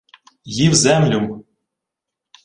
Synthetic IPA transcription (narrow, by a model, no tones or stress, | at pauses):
jiwzæmlʲum